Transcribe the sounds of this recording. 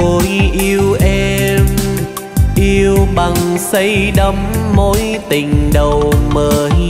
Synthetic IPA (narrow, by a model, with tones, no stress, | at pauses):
o˨˦jʔi˧əwʔɛ˧m | ʔi˧əwɓa˨˩ŋsə˧˦jɗə˧˦mːo˧˥jt̪ï˨˩ŋ̟ɗə˨˩wməː˨˩